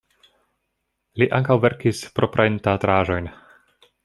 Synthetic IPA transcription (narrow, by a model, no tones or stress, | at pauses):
liʔaŋkawveɾkispɾo̞pɾajntatɾaːʒo̞jn